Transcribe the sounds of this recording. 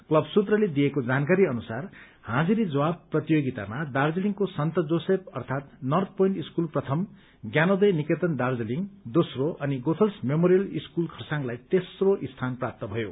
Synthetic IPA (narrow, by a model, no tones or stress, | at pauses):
klʌbsut̪rʌled̪ijekod͡zankaɾiʌnusar | hãd͡ziɾid͡zʌwab̚prʌt̪ijoɡit̪a̰mad̪ard͡ziliŋkosʌnt̪ʌd͡zosep̚ʌrt̪ʰat̪nʌrd̪̚pojnʈiskulprʌt̪ʰʌm | ɡjanod̪ʌjniket̪ʌnd̪ard͡zliŋɡd̪osroʔʌniɡot̪ʰʌlsmemoɾijʌliskulkʰʌrsãŋlajt̪esroʔist̪ʰanprap̚t̪ʌbʱʌjo